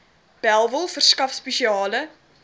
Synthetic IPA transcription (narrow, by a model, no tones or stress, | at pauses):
b̥ælˠvəlˠfərskɐfspeʃiɑːlə